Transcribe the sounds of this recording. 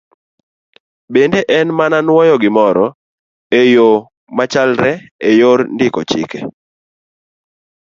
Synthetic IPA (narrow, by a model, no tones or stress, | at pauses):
bendeʔɛnmananwɔjɔɡɪmɔɾɔ | ejo | mat͡ʃalɾɛejoɾndɪkɔt͡ʃɪ̰ke